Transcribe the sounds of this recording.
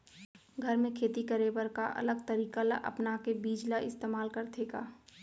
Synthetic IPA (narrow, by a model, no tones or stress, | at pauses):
ɡʱəɾmẽkʰeːt̪ikəɾebəɾkaʔɐ̰ləɡ̚t̪əɾiːkala̰ʔɐ̰pnakebiːd͡ʒlaɪst̪eːmaːlkəɾt̪eːɡaː